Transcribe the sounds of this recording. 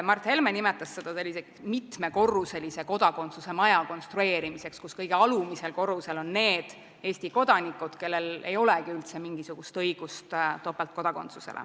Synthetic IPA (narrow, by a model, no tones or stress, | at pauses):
mɑrt̪he̞lmenimet̪ːˑɑsːe̞d̪̥ɑse̞lʲːise | mit̪me̞ko̞rːuse̞lise̞ko̞d̪̥ɑko̞nt̪suse̞mɑjɑko̞nst̪ɾue̞ːɾimise̞kskuskɤjɡeɑlumise̞lko̞ruse̞lo̞nne̞ːd̪̥ | e̞ːsʲt̪iko̞d̪̥ɑnikːˑud̪̥ke̞lːe̞le̞̰jo̞lekiylt̪se̞miŋɡisuɡ̥ust̪ɤjɡ̥ust̪t̪opːˑelt̪̚ko̞d̪ɑko̞̰nt̪su̥sḛlḛ